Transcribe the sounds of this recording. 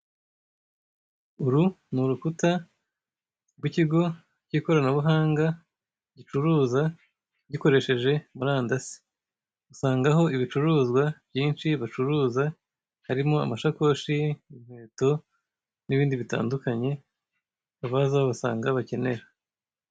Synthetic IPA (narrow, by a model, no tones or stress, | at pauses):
uɾu | nuɾukuta | ɡwiciɡo̞ | ɟiko̞ɾanaβuɦaːŋɡa | ɟit͡ʃuɾuːza | ɟiko̞ɾe̞ʃe̞ʒe̞muɾaːndasi̥ | usaːŋɡaɦo̞iβit͡ʃuɾuːzɡwavjiːnʃiβat͡ʃuɾuːza | haɾimo̞a̰maʃako̞ʃiimeːto̞ | niβiːndiβita̰ːndukaɲe̞ | aβazaaβasa̰ːŋɡaβace̞ne̞ɾa